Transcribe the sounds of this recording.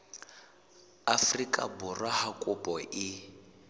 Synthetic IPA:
afrikʼa̰burwahakʼupʼɔʔɪ

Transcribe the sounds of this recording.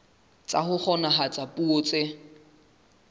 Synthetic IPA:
t͡sʼahʊk͡xʰɔnaɦat͡sʼapʼuot͡sʼɪ

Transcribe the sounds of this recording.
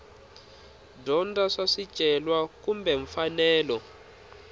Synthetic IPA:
dɔndaʂaʂid̥t͡ʃʼɛlwakumbɛɱfanɛːlɔ

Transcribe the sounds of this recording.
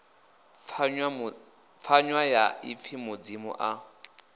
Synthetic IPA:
fʰaɲwajaip̪fʰimʊd͡zimṵʔa

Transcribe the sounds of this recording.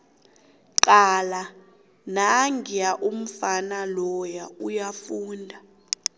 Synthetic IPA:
ǃala | naŋʱijaʔum̩fanalɔjaujafuːndʱa

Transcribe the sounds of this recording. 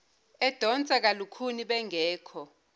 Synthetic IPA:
ɛd̥ʱɔnt͡sʼak̬alukʰuniɓɛŋɛːkʰɔ

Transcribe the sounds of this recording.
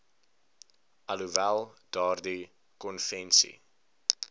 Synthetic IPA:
ʔɐluvælˠd̥ɑːrdi | kɔnfɛnsḭ

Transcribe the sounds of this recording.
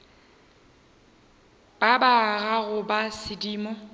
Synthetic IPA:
b̥abaɣaɣʊbasɪdiːmɔ

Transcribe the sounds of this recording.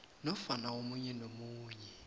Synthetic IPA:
nɔfanaomuɲɛnomuːɲɛ

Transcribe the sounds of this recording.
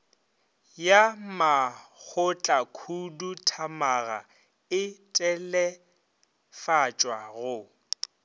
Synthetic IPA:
jamak͡xʰʊt͡ɬʼakʰudutʰamaɣa̰ | ɪtʼɛlɛ | fat͡ʃʼwaɣʊ

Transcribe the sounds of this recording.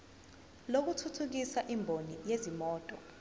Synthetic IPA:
lok̬utʰutʰuk̬isaʔimbʱonijezimɔːtʼɔ

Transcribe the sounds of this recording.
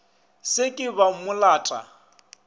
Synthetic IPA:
sɪkʼɪβamʊlaːtʼa̰

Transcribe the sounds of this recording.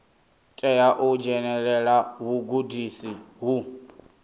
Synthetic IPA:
tʼɛjaʔɔd͡ʒɛnɛɺɛɺaɦuɡudisiɦu

